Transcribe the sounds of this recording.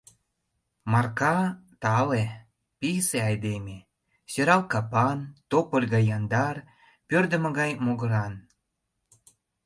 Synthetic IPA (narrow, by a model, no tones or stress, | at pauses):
mɑrkɑt̪ɑle | piseɑjd̪eme | søɾɑlkɑpɑnt̪opəlʲɣɑjːɑnd̪ɑr | pørd̪ə̆mə̆ɣɑjmoɣə̆ɾɑn